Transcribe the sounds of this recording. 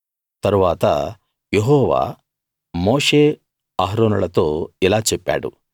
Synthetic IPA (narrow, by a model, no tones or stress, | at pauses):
t̪ɐɾuʋaːt̪ɐ̰ | jeɦɔːʋa̰ː | moːʂe | aːɦɾoːnɐɭɐt̪oːɛlaːt͡ʃɛpːa̰ːɽṵ